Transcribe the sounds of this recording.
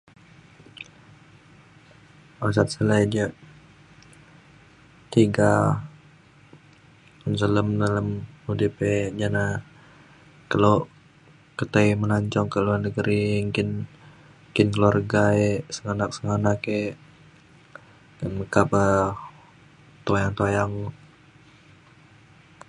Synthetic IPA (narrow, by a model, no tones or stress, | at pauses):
asat̪̚səlajdiəʔ | t̪iɡa | unsələmnələmudiped͡ʒana | kalo | kət̪ajmənaɲt͡ʃɔŋkəluarnəɡəɾiŋkɪn | kɪnkəluarɡaesəŋanak̚səŋanake | nməkapə | t̪ojaŋt̪ojaŋ